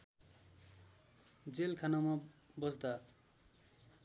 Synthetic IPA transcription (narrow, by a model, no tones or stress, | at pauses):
d͡zelkʰanamʌbʌsd̪a